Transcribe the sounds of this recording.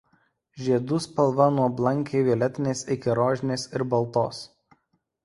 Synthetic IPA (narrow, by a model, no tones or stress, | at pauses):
ʒʲiɛd̪ʊspɐlˠʋɐnuɔblˠɐŋʲkʲeɪʋʲiɛlʲɛt̪ʲɪnʲeːsɪkʲɪɾoːʒʲɪnʲeːsɪɾbɐlˠˑt̪oːs